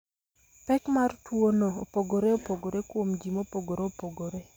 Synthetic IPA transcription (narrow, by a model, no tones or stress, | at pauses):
pɛkmartwonoopoɡoɾeopoɡoɾekwomd͡ʒimopoɡoɾeopoɡoɾe